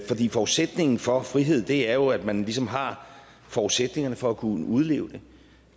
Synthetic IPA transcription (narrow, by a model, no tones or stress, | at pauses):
fɒ̽d̥ḭːfɒuðˠsed̥ne̝ŋn̩fɒ̽fʁiɦe̝ð̞̰ˠd̥e̝æɐjo̝æd̥mænlisɒ̽mɦɑ̈ | fɒuðˠsed̥ne̝ŋɐnəfɒ̽ækʰuuð̞ˠle̝̰ːʊd̥e̝